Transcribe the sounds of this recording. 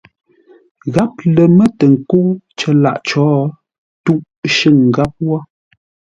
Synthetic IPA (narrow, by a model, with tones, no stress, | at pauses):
ɣa˦p̚lə˨mə˦tə˨ŋ̩˨ko˦t͡ʃə˦la̰˦˨ʔt͡ʃɔː˨˦ | tu˦ʔ | ʃə˦˨ŋ˨ɡa˦p̚wɔ˦